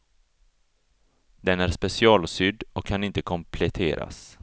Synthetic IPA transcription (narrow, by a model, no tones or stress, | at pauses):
d̪ɛnæɾspɛsɪɑːlsʏd̪ɔkʰːanɪnt̪əkʰɔmpʰlɛt̪ʰeːɾa̰s